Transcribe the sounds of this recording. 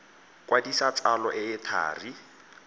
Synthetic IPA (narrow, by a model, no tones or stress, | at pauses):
kʼwʔadisat͡salɔʔɪɪtʰa̰ːri